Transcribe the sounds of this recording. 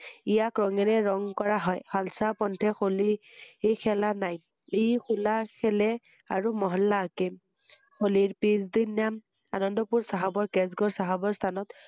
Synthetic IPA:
ijakɹɔŋɛnɛɹɔŋkɔɹaɦɔjhalsapɔntʰɛxoliekʰɛlanaj | ejxʰulakʰɛlɛ | aɹumɔɦɔlːaːke | xoliɹpizdinam | anɔndɔpuɹsaɦabɔɹkɛzɡɔɹsaɦabɔɹst̪ʰanɔt̪

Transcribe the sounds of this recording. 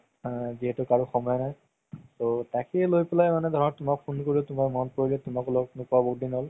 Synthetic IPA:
ziɦɛtʊkaɹuxɔmɔjɔnaj | sotakɛlojpɛlajmanɛdʱɔɹɔt̚tʊmak̚pʰunkoɹiʊtʊmamɔnpoɹilɛtʊmaklɔknʊkɔabokdinɦɔl

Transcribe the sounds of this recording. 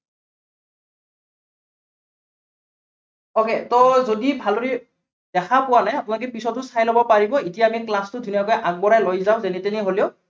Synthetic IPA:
oketɔzodibʱaloɹi | d̥ɛkʰapʊwanajapʊnak̬ɛpisɔtʊsajlɔbɔpaɹibɔitijaːmiklastʊdʱunijakɔjʔaɡ̚bɔɹajlojzaʊ̃zɛnitɛniɦoliʊ

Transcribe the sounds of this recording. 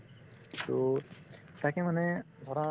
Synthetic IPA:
t̪o | t̪akemane | d̪ʱɔɾa

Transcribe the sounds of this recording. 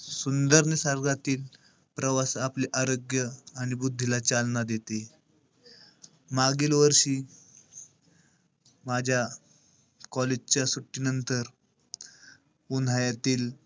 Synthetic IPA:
sund̪əɾnesəɾɡat̪iːl | pɾəʋasapliʔaɾoɡjəaɽ̃ibud̪ʱːilat͡ɕalnad̪et̪e | maɡilʋəɾɕiː | mad͡ʑʱja | kɔled͡ʑt͡ɕasuʈːinənt̪əɾ | un̤ajat̪iːl

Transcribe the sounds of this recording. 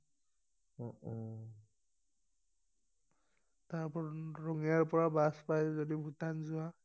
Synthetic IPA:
ɔɔ | taɹpɔɹɹɔŋiaɹpɔɹabaspajzɔdibʱutanzʊa

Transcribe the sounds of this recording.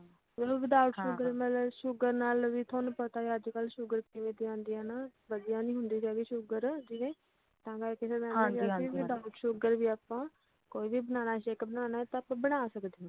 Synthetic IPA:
əʋɪd̪aːʋəʈʃʊɡəɾməlʃʊɡəɾnaːlʋiːt̪ʰoːnpət̪aːəd͡ʒkəlʃʊɡəɾkiʋẽːd̪iãːnd̪iːãːnaːʋəd̪ɪjãːnĩːɦʊnd̪iːɾaːɡiːʃʊɡəɾd͡ʒiːɡẽː | t̪ãːɡakɪseãːnd̪iːɡːiːʋɪd̪aːəʈʃʊɡəɾʋiːaːpːãː | koːiːʋiːbənaːnaːt͡ʃeːkbənaːnaːɛt̪ãːpãːbənaːsəkd̪eːãː

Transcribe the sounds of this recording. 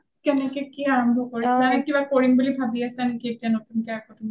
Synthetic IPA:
kɛnɛkɛkiaɹɔmbʱɔkoɹisɛamikibakoɹimbulibʱabiasɛanikietianotunkɛakɔtun

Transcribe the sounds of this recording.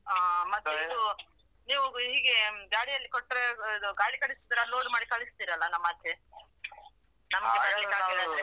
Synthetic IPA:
aːmɐt̪ːeid̪u | niːʋuɦiːɡeɡaːɽijɐlːikoʈːɾed̪uɡaːɭikɐɭisid̪ɾaloːɖmaːɽikɐɭist̪iːɾɐlːɐnɐmːɐt̪ʰːje | nɐmɡeɐɐlːikaːiɾad̪ɾe

